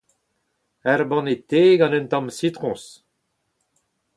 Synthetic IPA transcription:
ɛɾbɑ̃net̪eːɡɑ̃nɛ̃nt̪ɑ̃msit̪ʁɔ̃s

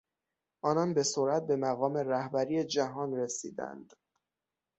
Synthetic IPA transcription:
ʔɒːnɒnbe̞soɾæt̪̚be̞mæɣɒːme̞ræhbæɾijed͡ʒæɦɒːnre̞sḭːd̪æ̰nd̪̥

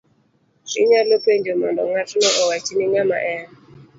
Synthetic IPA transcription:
ʃiɲalopend͡ʒɔmɔndɔŋatʰunɔʔɔwat͡ʃiniŋama̰ʔɛn

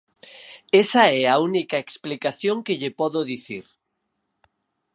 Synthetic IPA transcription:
esaɛaunikaeksplikaθjoŋkeʎɪpɔðoðiθiɾ

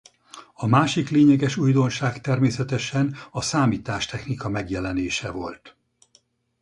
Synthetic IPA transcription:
ɒmaːʃikleːɲɛɡɛʃuːjd̪o̞nʃaːkt̪ɛrmeːsɛt̪ɛʃɛnɒsaːmiːt̪aːʃt̪ʰɛxnikɒmɛɡjɛlɛneːʃɛvo̞̰lt̪

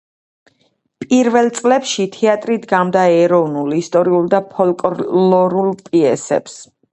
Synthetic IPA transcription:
pʼiɾvɛlˠt̪sʼlɛpʃit̪ʰɛat̪ʼɾid̪ɡamd̪aɛɾɔvnulˠist̪ʼɔɾiulˠd̪apʰɔlkʼlɔɾulˠpʼiɛsɛ̰ps

